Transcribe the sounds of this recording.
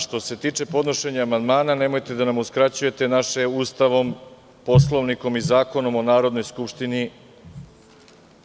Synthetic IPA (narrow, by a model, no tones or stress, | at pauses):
ʃt̪o̞se̞t̪iːt͡ʃe̞po̞d̪no̞ʃe̞ɲaːmand̪maːnane̞mo̞jt̪e̞d̪anamuskɾat͡ɕuje̞t̪e̞naʃeuːst̪aʋo̞m | po̞slˠo̞ʋniko̞mizaːko̞no̞mo̞naːɾo̞d̪no̞jskupʃt̪ini